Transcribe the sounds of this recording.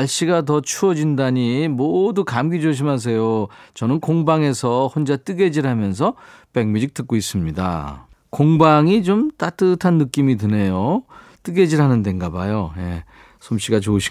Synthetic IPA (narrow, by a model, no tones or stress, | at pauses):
aɭɕ͈iɡat̬ʌt͡ɕʰuʌd͡ʑindaɲimodukamɡid͡ʑoɕ̬ʰimas̬ʰe̞jot͡ɕʌnɯnkoŋbaŋe̞sʰʌhond͡ʑat͈ɯɡe̞d͡ʑiɾɦamjʌns̬ʰʌpe̞ɡ̚mid͡ʑik̚t͈ɯk͈ois͈ɯmɲida̰ | koŋbaŋit͡ɕomt͈at͈ɯtʰanːɯk͈imitɯne̞jo | t͈ɯɡe̞d͡ʑiɾɦanɯnde̞ŋɡaba̰joje̞ | sʰomɕ͈iɡat͡ɕoɕʰi̥